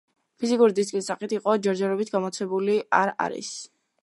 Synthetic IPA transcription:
pʰizikʼuɾid̪iskʼlisaχit̪ʰiqʼɔd͡ʒɛɾd͡ʒɛɾɔbit̪̚ʰɡamɔt̪sʰɛbuliaɾa̰ɾḭs

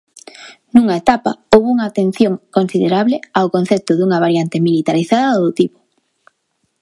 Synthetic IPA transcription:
nũŋaet̪apa̰owβuŋaːt̪en̟θjoŋkonsiðeɾaβleawkonθɛp̚t̪ʊðuŋɐβaɾjant̪emilit̪aɾiθaðɐðot̪ipʊ̥

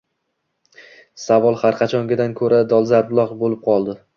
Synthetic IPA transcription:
savɒlˠhaɾqʰɑt͡ʃʰɒŋɡʲɪd̪ankʰɵɾad̪ɒlˠzaɾblˠɒqbolɪp̚qʰɒlˠd̪ɪ

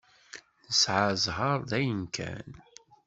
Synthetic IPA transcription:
θəsʕəzɦəɾˤðæjənkʰæ̰n

